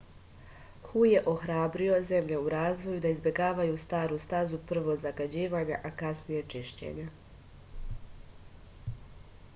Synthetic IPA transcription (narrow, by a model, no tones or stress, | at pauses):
xuje̞ʔo̞xɾaːbɾio̞ze̞mʎe̞uɾaːzʋojud̪aizbje̞ɡaːʋajuːst̪aːɾust̪azupr̩ʋo̞zaɡad͡ʑiːʋaɲaʔakasnije̞t͡ʃiʃt͡ɕḛɲa